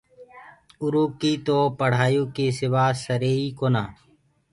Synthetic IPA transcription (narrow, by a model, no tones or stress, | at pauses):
ʊɾuːkiːt̪oːpəɽ̤aːjũːkeːsɪʋaːsəɾeːiːkoːnaː